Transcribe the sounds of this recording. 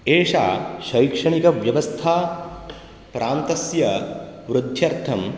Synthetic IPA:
eːʂaːʃɐjkʂɐɳikɐʋjɐʋɐst̪ʰaː | pɾʔaːnt̪ɐsjɐʋɾud̪ʱjɐɾt̪ʰɐm

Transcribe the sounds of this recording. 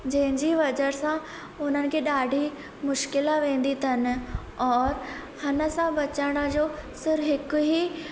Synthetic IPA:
d͡ʑɐ̃ɦɪ̃ɲd͡ʑiʋɐd͡ʑəɾsã | ʊn̤ənɪ̆kʰeːɗaːɖʱi | mʊʃkɪlaʋẽːn̆d̪it̪ʰɐnɪ̆ | ɔːɾ | hɐnəsãbɐt͡ɕaɽ̃əd͡ʑoːsɪɾɦɪkʊɦi

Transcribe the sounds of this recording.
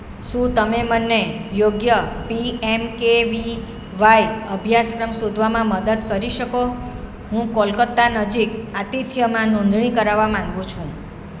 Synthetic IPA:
ʃũt̪əmemənːejoɡjəpiemkeʋi | ʋajəbʱjaskɾəmsud̪ʱʋamãməd̪əd̪kəɾiʃəko | ɦũkɔlkət̪ːanəd͡ʒikat̪it̪ʰjəmãnõnd̪ʱɳikəɾaʋamãŋɡũt͡ʃʰũ

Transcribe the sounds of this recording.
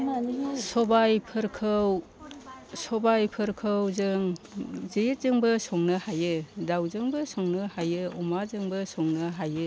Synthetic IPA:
sɔbajpʰɯɾkʰɯw | sɔbajpʰɯɾkʰɯwzɯŋzɯjɾ̚zɯŋbɯsɔŋnɯhajɯdawzɯŋbɯsɔŋnɯhajɯɔmazɯŋbɯsɔŋnɯɦajɯ

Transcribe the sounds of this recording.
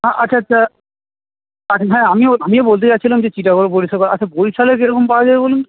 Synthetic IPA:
ɦãʔatːɕʰaaa | at͡ɕʰaɦɛ̃amioamiobolt̪̬et͡ɕatːɕʰilamd͡ʑet͡ɕiʈakoloboɾisalkɔɾa̰t͡ɕʰaboɾisalekeɾɔkompaad͡ʑaebolunt̪

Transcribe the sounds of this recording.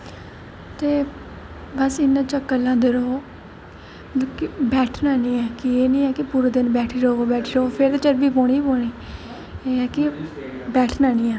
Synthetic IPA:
t̪eː | bəsɪnãːt͡ʃəkːəlãːd̪ɪɾoː | əkbɛːʈʰnaːniːɛːkɪeːnĩːɛːkɪpuːɾoːd̪ɪnbɛːʈʰiːɾoːoːbɛːʈʰɾoːpʰɪɾt̪eːt͡ʃəɾbiːpɔːɽ̃iːpoːɳiː | eːɛːkɪbɛːʈʰnaːniːɛː

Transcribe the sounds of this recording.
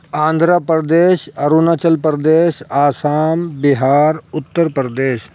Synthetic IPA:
ãːnd̪ʱɾapɾd̪eːʃɐɾunat͡ʃəlpɾd̪eːʃaːsaːmbɪɦaːɾʊt̪ːəɾpɾd̪eːʃ

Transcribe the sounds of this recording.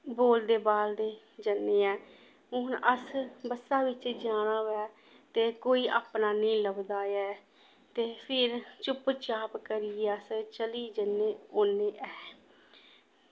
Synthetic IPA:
boːld̪eːbaːld̪eː | d͡ʒənːeːɛː | ʊnəsbəsaːʋɪt͡ʃd͡ʒaːɽ̃aːɛː | t̪eːkoːiːʔaːpnaːnəĩːləbd̪aːjɛː | t̪eːpʰɪɾt͡ʃʊpt͡ʃaːpkəɾɪeːəst͡ʃəliːd͡ʒənːeːonːeːʔɛː

